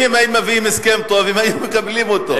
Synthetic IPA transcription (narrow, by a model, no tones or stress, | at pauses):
imajimavimeskemt̪ovimajumekablimot̪o